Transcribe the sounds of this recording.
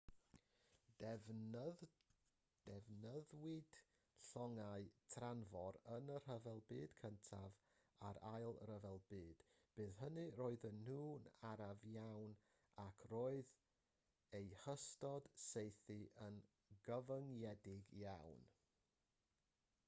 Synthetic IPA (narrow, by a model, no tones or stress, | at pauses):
d̥ɛvnəðwɪd̥ | ɬɔŋaɨtʰranvɔɾənər̥əvɛlˠbɨːd̥kʰəntʰav | a̰ɾajlˠrəvɛlˠbɨːd̥ | b̥ɨːðɦənɨroːɨðənhuːnaɾavjawn | akʰroːɨð | ejhəstɔd̥sejθɨʔən | ɡəvəŋjɛdɪɡjawn